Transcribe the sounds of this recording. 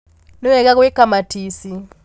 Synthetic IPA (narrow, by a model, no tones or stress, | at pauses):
nuwɛkakuikamatʰisi